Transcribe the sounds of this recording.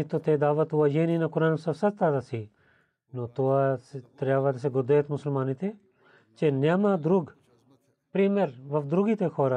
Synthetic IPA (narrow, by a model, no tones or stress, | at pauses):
it̪ot̪eːd̪aːʋət̪uaːjeːniːnakʊɾaːnsɐsɐt̪aːt̪asi | not̪oat̪ɾjaːʋat̪s̬eɡʊd̪eːt̪mʊsəlmaːnit̪eː | t͡ʃeːnamãːd̪ɾuɡ | pɾiːmeɾʋɐfd̪ɾuɡiːt̪eːkʰoːɾa